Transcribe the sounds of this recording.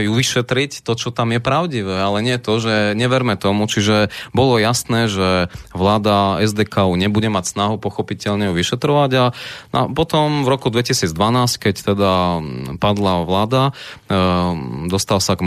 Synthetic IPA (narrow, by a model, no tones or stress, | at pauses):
juʋiʃɛt̪ɾict̪ɔt͡ʃɔt̪amjɛpɾaʊɟiʋɛːalɛɲɪɛt̪ɔʒɛɲɛʋɛɾmɛt̪ɔmut͡ʃiʒɛbɔlɔjasnɛːʒɛʋlaːd̪aɛzd̪ɛːkauɲɛbuɟɛmacsnaɦupɔxɔpicɛʎɲɛjuʋiʃɛt̪ɾɔʋaɟanʔa̰pɔt̪ɔmvɾɔkud̪ʋɛcisiːd͡zd̪ʋanaːsckɛct̪ɛd̪apad̪laʋlaːd̪a | d̪ɔst̪alsaɡ